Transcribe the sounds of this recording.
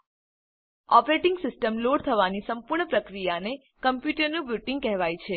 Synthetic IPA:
ɔpɾeʈɪ̃ŋɡsɪsʈəmloɽt̪ʰəʋanisəmpuɾɳəpɾəkɾijane | kəmpjuʈəɾnũbjuʈɪ̃ŋɡ̚kɛɦʋajt͡ʃʰe

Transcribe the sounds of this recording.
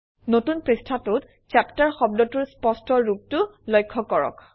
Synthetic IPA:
notunpɹistʰatʊt | t͡ʃaptaɹxɔb̚dɔtuɹspɔstɔɹub̚tʊlɔjkʰːɔkɔɹɔ̰k

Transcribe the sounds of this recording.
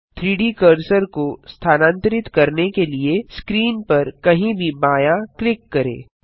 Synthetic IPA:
t̪ʰɾiːɖikəɾsəɾkost̪ʰaːnãːnt̪əɾɪt̪kɐɾnekelieskɾiːnpɐɾkɐɦĩbʱibaːjaklɪkːɐɾḛ̃ː

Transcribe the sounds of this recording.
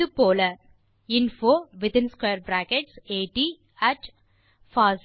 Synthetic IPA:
upoːlɐ | ɪ̃nfoːʋɪd̪ɪ̃nskweːɾbɾæːkeʈseːʈiː | æʈ | faːs

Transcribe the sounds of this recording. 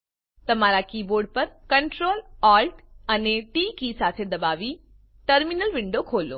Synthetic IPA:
t̪ɐmaːɾakiːboːɾɖ̚pɐɾkəɳʈɾoːlaːlʈəneʈiːkisaːt̪ʰed̪ɐbaːʋi | ʈəɾminəlʋɪɳɖokʰoːlo̰ː

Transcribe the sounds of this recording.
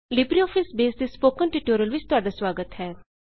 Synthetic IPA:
lɪbɾiɔːpʰɪsbeːsd̪eːspoːkənʈɪʈoːɾiəlʋɪt͡ʃt̪ʊaːɖaːswaːɡət̪ɦɛː

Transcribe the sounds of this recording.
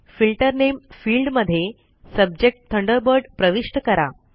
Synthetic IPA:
filʈəɾnemfiːlɖməd̪ʱːje | səb̚d͡ʑek̚ʈ̚t̪ʰːəɳɖəɾbəɾɖpɾəʋiʂʈəkəɾa

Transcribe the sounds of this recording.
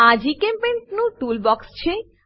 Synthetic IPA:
ad͡ʑikempenʈnuʈulbɔkst͡ɕʰe

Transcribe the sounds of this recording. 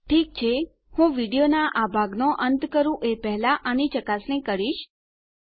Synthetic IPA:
ʈʰik̚t͡ʃʰe | hũʋiɽijonaʔabʱaɡnoʔənt̪kəɾũʔepɛɦlaʔanit͡ʃəkasnĩkəɾiʃ

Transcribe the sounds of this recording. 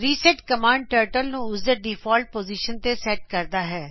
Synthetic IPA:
ɾiːsɛʈkəmãːɳɖ̚ʈəːɾʈəlnũʊsd̪əɖiːfʰɔːlʈ̚poːziːʃənt̪esɛːʈ̚kəɾd̪aːɦɛː

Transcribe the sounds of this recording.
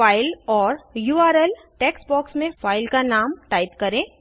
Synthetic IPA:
aːɪlɔːɾjuːaːɾɛl | ʈeːksbɔːksmẽfaːɪlkanaːmʈaːɪt̪kɐɾẽː

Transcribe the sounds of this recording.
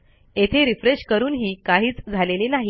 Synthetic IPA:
et̪ʰeɾifɾeɕkəɾuːnɦiːkaɦiːt͡sd͡zʱalelenaɦi

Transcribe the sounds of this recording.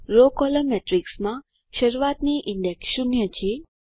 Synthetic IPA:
ɾokɔləmɛʈɾiksmã | ʃəɾuʋat̪niʔiɳɖeksʃunjət͡ɕʰe

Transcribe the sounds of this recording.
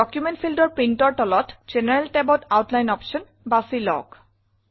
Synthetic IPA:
ɔkjumɛ̃nt̚pʰildɔɹpɹintɔɹtɔlɔtz̥enɛɹɛltɛbɔtawtlajnɔpsɔn | basilɔ̰k

